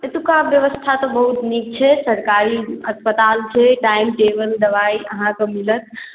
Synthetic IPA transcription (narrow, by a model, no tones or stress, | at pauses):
et̪ukabjəʋəst̪ʰat̪ɔbəɦut̪nik̚t͡ʃʰɛsəɾkaɾiəspət̪alt͡ʃʰɛʈaimʈebəld̪əʋaiəɦãkəmilət̪̚ʰ